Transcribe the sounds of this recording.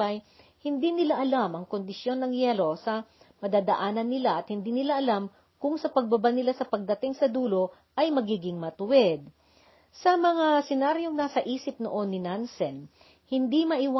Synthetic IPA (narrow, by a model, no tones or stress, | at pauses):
ɐj | hɪnd̪inɪlaʔɐlamɐŋkond̪ɪsjo̞nːɐŋjɛlo̞sɐ | mɐd̪aːd̪ɐʔaːnɐnːɪlaʔɐt̪̚hɪnd̪iːnɪlaʔɐlam | kʊŋsɐpɐɡ̚bɐbanɪlasɐpɐɡ̚d̪ɐt̪ɪŋsɐd̪uːlo̞ | ʔɐjmɐɡiːɡɪŋmɐt̪ʊwɛd̪̚ | sɐmɐŋasɛnaɾjo̞ŋnaːsɐʔiːsɪp̚noʔo̞nːɪnansɛn | hɪnd̪imɐʔɪwa